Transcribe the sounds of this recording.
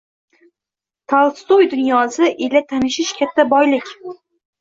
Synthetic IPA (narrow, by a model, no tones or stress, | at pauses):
t̪ʰɑlˠst̪ojd̪ʊnjɒsɨʔɪlat̪ʰanɪʃɪʃkʲʰat̪ːabɒjlɪkʲ